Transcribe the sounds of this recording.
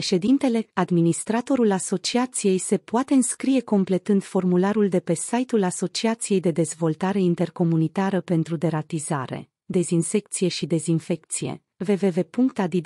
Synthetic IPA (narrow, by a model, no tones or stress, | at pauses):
eʃe̞d̪int̪e̞le̞ad̪minist̪ɾat̪o̞ɾulaso̞t͡ʃiat̪sije̞jse̞poat̪e̞ɨnskɾije̞ko̞mple̞t̪ɨnd̪fo̞rmulaɾuld̪e̞pe̞sajt̪ulaso̞t͡ʃiat̪sije̞jd̪e̞d̪e̞zvo̞lt̪aɾe̞int̪e̞rko̞munit̪aɾəpe̞nt̪ɾud̪e̞ɾat̪izaɾe̞̰ | d̪e̞zinse̞k̚t̪sije̞ʃid̪e̞zinfe̞k̚t̪sijḛ | ve̞ve̞ve̞puŋkt̪ad̪i